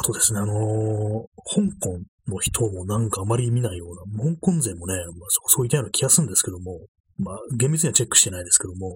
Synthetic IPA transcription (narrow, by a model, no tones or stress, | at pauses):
ḁt̪od̪e̞sɨne̞ano̞ | hõ̞ŋkõ̞n | no̞çi̥t̪ʰo̞mo̞nãŋkaːmaɾʲimʲinaijo̞ːnamhõŋkõ̞nd͡zẽ̞mːo̞ne̞masokoso̞ːit̪ːajnokʲijasɨ̃nd̪esɨ̥ke̞d̪o̞mo̞ | maɡembit͡sɨɲ̟iβat͡ɕe̞kːɯ̥ɕi̥t̪e̞naid̪e̞sɨ̥ke̞d̪o̞mo̞